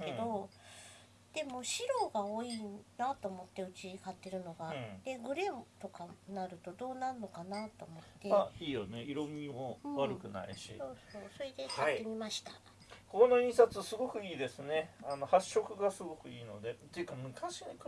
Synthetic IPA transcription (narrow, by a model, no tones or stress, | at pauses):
ked̪o̞ | d̪̥e̞mo̞ɕiɾo̞ːɡaoːinat̪o̞ːmo̞t̪ːe̞ɯ̟t͡ɕikat̪ːe̞ɾɯ̟no̞ɡad̪̥e̞ɡɯ̟ɾe̞mt̪o̞kanaɾɯ̟t̪o̞d̪o̞ːnaɯnːo̞kanat̪o̞ːmo̞t̪ːe̞aiːjo̞neiɾo̞mʲimoβaɾɯ̟kɯ̟na̰ḭɕḭsoːsoːso̞ɾe̞d̪e̞kat̪ːe̞mʲimaɕi̥t̪a | kono̞ĩɰ̃sat͡sɨsɨɡo̞kɯ̟iːd̪e̞sɨne̞ano̞haɕːo̞kɯ̟ɡasɨɡo̞kɯ̟iːno̞̰d̪e̞t̪ojɯkːamɯ̟kaɕine